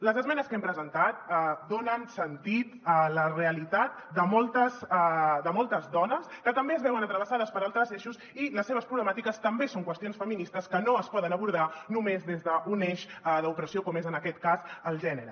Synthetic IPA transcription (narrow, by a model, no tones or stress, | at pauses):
ləzəzmɛnəskɛmpɾəzənt̪at̪̚d̪onənsənt̪it̪ələreəlit̪at̪̚ | d̪əmɔlˠt̪əsd̪əmɔlˠt̪əzðɔnəskət̪əmbeəzβɛwənət̪ɾəβ̞əsaðəspəɾalˠt̪ɾəzeʃus | iləsːeβ̞əspɾuβləmat̪ikəst̪əmbesoŋkwəst̪ionsfəminist̪əskənoəspɔðənəβuɾð̞anumezðezðəʔuneʃðəupɾəsiokɔmezənəkɛt̪kazəlˠʒɛnəɾə